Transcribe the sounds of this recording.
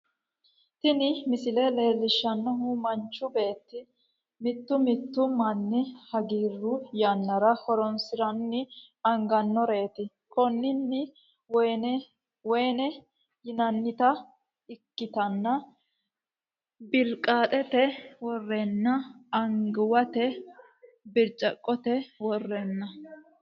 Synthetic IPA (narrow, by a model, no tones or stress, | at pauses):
t̪ɪnɪmɪsɪlɛle̞ːlːɪʃːɐnːɐhumɐnt͡ʃːʊbe̞ːt̪ːɪ | mɪt̪ːʊmɪt̪ːʊmɐnːɪhɐɡiːrːʊjɐnːɐɾɐhɔɾɔnsɪɾɐnːɪ | ɐŋɡɐnːɔɾe̞ːt̪ɪ | kɔnːɪnːɪ | wɔjnɛ | wɔjnɛ | jɪnɐnːɪt̪ɐ | ɪkːɪt̪ɐnːɐ | bɪlkʼːaːt̪ʼɛt̪ɛwɔrːɛnːɐɐŋɡɪwɐt̪ɛ | bɪɾt͡ʃʼːɐkʼːɔt̪ɛwɔrːɛnːɐ